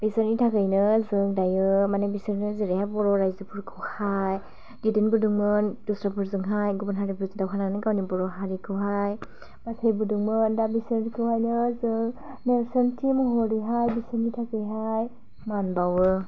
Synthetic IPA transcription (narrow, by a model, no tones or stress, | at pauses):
b̥isɯnitʰakɯjnɯzɯŋdajɯmanebisɯɾnɯziɾehajbɔɾɔɾajzɯpʰuɾkʰɯwhaj | ɡidinbɯduŋmɯndusɾapʰuɾzɯŋɦajɡubɔnɦaɾipʰuɾzɯŋdawɦʰananɯɡawnibɔɾɔɦaɾikʰɯwɦaj | basajbuduŋmɯndabisɯnikʰɯwhajnɯzɯŋ | neɾsɯntʰimɯɦɔɾiɦajbisɯnitʰakɯjɦaj | manbawɯ